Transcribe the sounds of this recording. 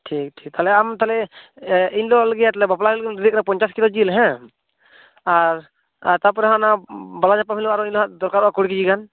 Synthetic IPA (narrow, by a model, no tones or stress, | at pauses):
ʈʰik̚ʈʰik̚t̪alɛamt̪alɛ | iɲlɔləɡɛjat̪alɛbaplailɡɛnɾd̪ik̚napɔɲt͡ʃaskilɔd͡ʒilɦɛ̃ | aɾ | t̪ap̬ɔɾɛɦãnabalaɲapamilɔaɾɔiɲlɔɦaʔd̪ɔɾkaɾɔʔakuɽik̬id͡ʒiɡan